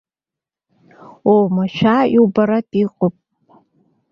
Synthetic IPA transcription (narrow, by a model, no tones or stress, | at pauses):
owmaʃʷᶣaiwbaɾatʼiqʼʊpʼ